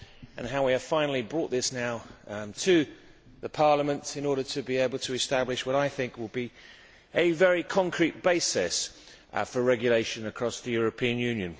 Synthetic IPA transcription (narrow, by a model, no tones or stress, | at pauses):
ʔə̃nɦaʊwiɨv̥fãɪ̃nl̩ˠibɹɔˑʔ̪̚ðɪsnaʊtʰɨ | ðəpʰɑɹləmə̃ntɪ̃nɔɹɾətʰɨbieɪbəl̩ˠtʰəɪstæblɪʃwʌɾaɪθɪ̃ŋkwɪl̚bi | ʔɨvɛɹikʰɒ̃ŋkʰɹ̥it̚b̥eɪsɛs | fəɹɛɡjəleɪʃɨ̃nəkʰɹ̥ɒsðɨjʊɹəpʰĩɨ̃njʉ̃njɨ̃n